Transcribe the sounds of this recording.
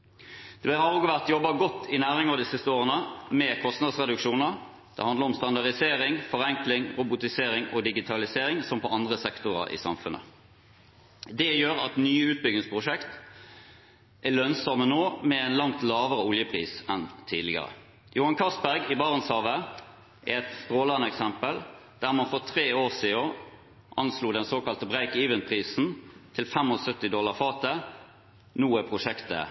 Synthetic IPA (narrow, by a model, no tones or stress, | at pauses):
d̪̥ɛhɑoːɡʋæʁt̪jɔbːɑɡɔt̪ːɪnæːʁɪŋəʁd̪ɪsɪst̪əoːʁənəmɛkʰɔst̪nɑd̪sʁɛd̪ʉkʂuːnəɾ | d̪̥ɛ̰hɑnd̪ləʁɔmst̪ɑnd̪ɑʁd̪ɪseːɾɪŋfɔʁɛŋklɪŋɾʊbʊt̪ɪseːɾɪŋɔd̪ɪɡɪt̪ʰɑlɪseːɾɪŋsɔmpɔɑnd̪ʁəsɛkt̪ʊʁɑ̰ʔɪ̰sɑ̰mfʉnʔə̰ | d̪ɛjøːɾɑt̪nyːʉːt̪̚bʏɡnɪŋspʰʁʊʂɛkt̪ | ʔælœnsɔmənoːmɛæɪnlɑŋt̪lɑːʋəʁəʊljəpʰʁiːsɛnt̪ʰiːd̪lɪɡə̰ʁə̰ | jʊhɑnkʰɑsbæʁɡɪbɑʁənshɑːʋə | ʔɛɛt̪st̪ʁoːlɑnəɛksɛmpəld̪̥æːʁmɑnfɔʁt̪ʰʁeːoːʁsiːɔ | ʔɑnsluːd̪ɛnsoːkɑlt̪əbʁæɪkiːʋənpʰʁiːsn̩t̪ʰɪlfɛmɔsœt̪ːɪd̪ɔlːɑʁfɑːt̪ə | nuːəpʰʁʊʂɛkt̪ə̰